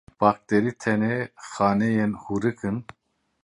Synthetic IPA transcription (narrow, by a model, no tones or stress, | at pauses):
b̥ɑːk̚t̪eɾit̪ʰɛnexɑːnejenhuɾɨkɨn